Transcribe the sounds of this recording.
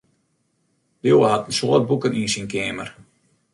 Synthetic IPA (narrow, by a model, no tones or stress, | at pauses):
djowəɦatən̩soət̚bukəninsinkeːmər